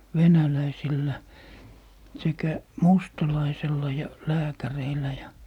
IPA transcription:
ʋenælæisilːæ sekæ mustɑlɑiselːɑ jɑ læːkæreilːæ jɑ

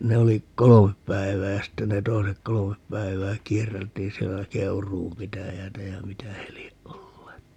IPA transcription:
ne oli kolomep pæiʋæː jɑ sitːe ne toisek kolomep pæiʋæː kierːeltiːn sielːæ keuruːm pitæjæːtæ jɑ mitæ he lieʔ ʔolːeːt

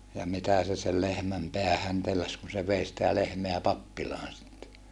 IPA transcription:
jɑ mitæ se sel lehmæm peæhæn telːæs kun se ʋei sitæ lehmeæ pɑpːilɑːn sitːe

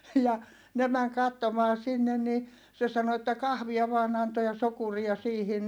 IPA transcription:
jɑ ne mæŋ kɑtːomɑː sinːen ni se sɑno etːæ kɑhʋiɑ ʋɑːn ɑnto jɑ sokuriɑ siːhin

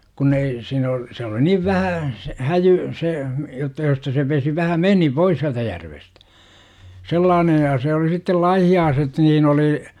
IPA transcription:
kunˑ ei siːn o se oli niʋ ʋæhæː s hæjyː se jotːɑ jostɑ se ʋesi ʋæhæ meni pois siæltæ jærʋestæ̥ selːɑːnej jɑ se oli sitːel lɑihiɑːset niːn oliˑ

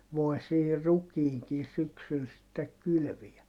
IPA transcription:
ʋoi̯ sihir rukiːŋkin̞ syksyl sitːek kylʋiæ

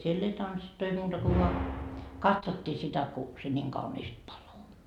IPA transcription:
sielː ei tɑnsːitːu ei muːtɑ ko ʋoɑ kɑtsotːiː sitæ ku se nʲiːŋ kɑuniːst pɑlo

